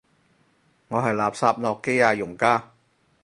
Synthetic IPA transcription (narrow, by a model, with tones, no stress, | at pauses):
ŋɔː˨˧ɦɐ˨jlaː˨˩p̚saː˧p̚nɔː˨kːe˥jaː˧jʊ˨˩ŋkaː˥